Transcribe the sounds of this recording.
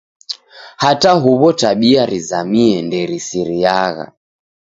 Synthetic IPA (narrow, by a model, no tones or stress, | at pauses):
hataɦuβɔtaɓiaɾizamiɛndɛɾisiɾiaɣa̰